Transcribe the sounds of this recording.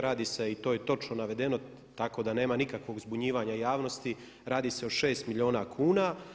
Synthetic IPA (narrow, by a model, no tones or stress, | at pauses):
ɾaːd̪iːse̞it̪o̞ːjet̪o̞t͡ʃnonaʋe̞d̪e̞no̞ | t̪ako̞d̪ane̞ːmanikakʋo̞ɡzbuɲiːʋaːɲajaːʋno̞st̪i | ɾaːd̪iːseoʃe̞ːst̪miʎʲio̞ːnakʰuːna